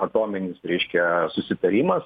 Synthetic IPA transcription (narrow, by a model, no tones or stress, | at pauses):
ɐt̪oːmʲɛnʲɪsɾʲɛɪʃʲkʲɛsʊsʲɪt̪ɐɾʲiːmɐs